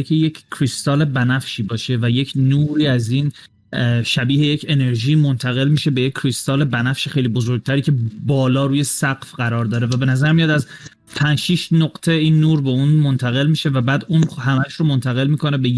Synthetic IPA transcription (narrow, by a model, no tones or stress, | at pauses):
kʰejecːʰɾist̪ɒːle̞bænæfʃiːbɒːʃe̞væje̞cʰnuːɾiːæziːn | ʃæbiːhe̞jecʰe̞ne̞ɾʒiːmo̞nt̪ʰæɣe̞lmiːʃe̞bejeckʰːɾist̪ɒːle̞bænæfʃexe̞jliːbozo̞ɾɡ̚t̪ʰæɾiːcʰe̞bɒːlɒːɾuːje̞sæɢfɢæɾɒːɾd̪ɒːɾevæbe̞næzæɾmijɑd̪æz | pʰænʃiːʃnoɡt̪ʰeiːnːuːɾbeuːnmo̞nt̪ʰæɣe̞lmiːʃe̞væbæːd̪unhæmæʃɾomo̞nt̪ʰæɣe̞lmiːkʰo̞ne̞be